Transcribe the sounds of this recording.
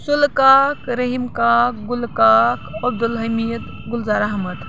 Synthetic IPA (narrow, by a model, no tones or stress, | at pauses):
sulkakɾəɦimkakɡulkakɐb̚d̪ulɦɐmit̪ | ɡulzaɾaɦmət̪